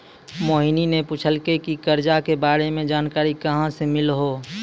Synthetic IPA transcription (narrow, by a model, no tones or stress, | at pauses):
moːɦininepuːt͡ʃʰəlkekikəɾd͡ʒakebaːɾemẽd͡ʒaːnkaːɾikəɦãsemɪlɦoː